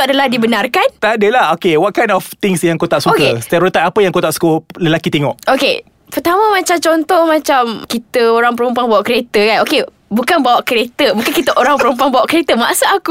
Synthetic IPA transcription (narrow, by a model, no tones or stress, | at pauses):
adalahdibənarkant̪adəlahokewɔt̪̚kajnɔft̪ɪŋsjãŋkot̪aʔsuokəest̪aɾut̪aʔapəjãŋkot̪aʔsu̥kələlakit̪eŋɔʔʔokḛ | pərt̪amə̃mat͡ʃamt͡ʃɔnt̪ɔhmat͡ʃamkit̪əoɾaŋpəɾumpuaŋbawaʔkəɾet̪əkanoke | bukanbawaʔkəɾet̪əbukankit̪əʔoɾaŋpəɾumpaŋbawaʔkɾet̪əma̰ʔsaaku